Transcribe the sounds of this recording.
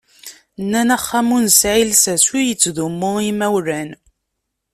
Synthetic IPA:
nːænæχːamunsʕilsæswijət͡sːðumːʊimæwɾæn

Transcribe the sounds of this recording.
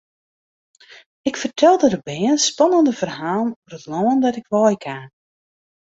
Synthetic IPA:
ɪkfərtʰɛlˠdədəbɛənspɑnəndəvərɦaːlˠnuvrətlɔːəndɔtɪkʋɔːjkʰaː

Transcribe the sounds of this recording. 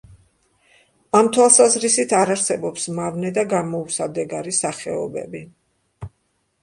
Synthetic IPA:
amt̪ʰwalˠsazɾisit̪ʰaɾaɾsɛbɔpsmavnɛd̪aɡamɔusad̪ɛɡaɾisaχɛɔbɛ̰bi

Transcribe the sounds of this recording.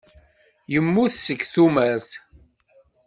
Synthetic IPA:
jəmːʊθsəkːθumæθ

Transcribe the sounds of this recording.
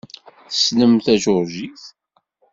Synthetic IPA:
θə̥sləmθæʒʊɾʒiθ

